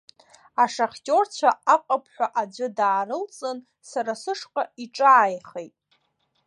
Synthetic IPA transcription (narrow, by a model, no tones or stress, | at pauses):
aʂaχʲtʲʼo̞rt͡ɕʷʰaaqʼapʰħʷaʔad͡ʒʷɨdaːɾɨlt͡sʼɨn | saɾasɨʂqʼaiʈ͡ʂʼaːjχejtʼ